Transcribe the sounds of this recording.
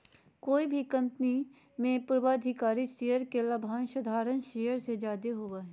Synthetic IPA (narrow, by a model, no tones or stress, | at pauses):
koːibʱikɐ̃mpni | mẽpɾʋaːd̪ʱɪkaːɾiʃejəɾkelɐbʱaːnʃɐd̪ʱaːɾənʃeːjəɾsed͡ʒaːd̪eɦoːwaːɦɛː